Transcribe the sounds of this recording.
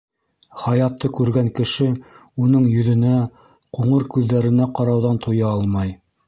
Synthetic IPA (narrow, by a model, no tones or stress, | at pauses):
χɑjɑt̪ːɤkʉɾɡæŋkɘ̆ʃɘ | unɤɴjɵ̆ðɵ̆næ | quɴɤɾkʉðːæɾɘ̆næqɑɾɑwðɑnt̪ʰujɑɑlˠmɑj